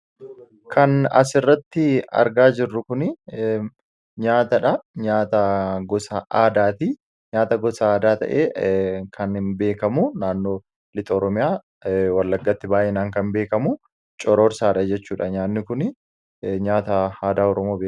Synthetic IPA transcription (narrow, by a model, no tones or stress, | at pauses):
kʰɐnɐ̰s̬ɪrːɐt̪ːɪɐ̰ɾɡaːd͡ʒɪrːʊkʊnɪ | ɲaːt̪ɐᶑɐɲaːt̪ɐɡɔsɐʔaːd̪aːt̪i | ɲaːt̪ɐɡɔsɐaːd̪aːt̪ɐ̰ʔḛːkʰɐnhɪnbe̞ːkɐmʊnaːnːo̞ː | lɪt̪ʼɐɔɾɔmɪjaː | wɐlːɐɡːɐt̪ːɪbaːjʔɛnaːŋkɐmbeːkɐmʊ | t͡ʃʼɔɾoːɾsaːᶑɐd͡ʒɛt͡ʃːuːᶑɐɲaːnːɪkʊnɪ | ɲaːt̪ɐaːd̪aːɔɾɔmoːbeː